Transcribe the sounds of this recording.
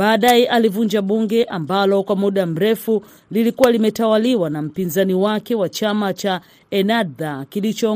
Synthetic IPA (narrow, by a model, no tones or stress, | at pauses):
ɓaːɗajɛʔalivuɲd͡ʒaɓuŋɡɛʔambalɔkwamuɗam̩ɾɛfu | lilikuwalimɛtawaliwanam̩pinzaniwakɛwat͡ʃamat͡ʃa | ɛnadakilit͡ʃɔ